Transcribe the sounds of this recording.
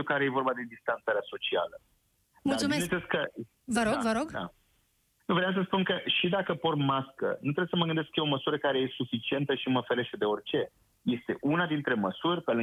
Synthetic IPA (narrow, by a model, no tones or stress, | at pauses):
ukaɾeje̞vo̞rbad̪e̞d̪ist̪ant̪saɾeaso̞t͡ʃia̰lə | d̪aut̪eeskə | vəɾovəɾoɡd̪a̰ | nuvɾeams̬əspunkəʃid̪akəpormaskə̰nut̪ɾejesəməɡɨnd̪e̞skəjeo̞məsuɾəkaɾe̞jesufit͡ʃie̞nt̪əʃiməfeɾe̞ʃt̪e̞d̪e̞o̞rʲt͡ʃe̞ | je̞st̪e̞ʔunad̪in̪t̪ɾe̞məsurʲpelɨ